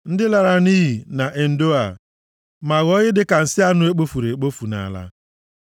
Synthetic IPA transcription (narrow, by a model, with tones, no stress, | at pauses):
n̩˦dɪ˦la˨ɾa˨niː˦ɦi˨na˨ʔe˨n̩˦do˦a˨ | ma˨ɣɔ˦ɣɪ˦dɪ˦ka˨n̩˨sɪ˦a˦nʊ˦e˦k͡po˦fu˨ɾe˨e˨k͡po˦fu˨na̰˨a̰˨la̰˦